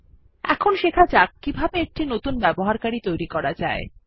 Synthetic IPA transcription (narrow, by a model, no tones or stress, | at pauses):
ɛ̰kʰonʃekʰat͡ɕakkːibʱabeek̚ʈinot̪unbɛboɦaɾkaɾit̪ojɾikɔɾad͡ʑae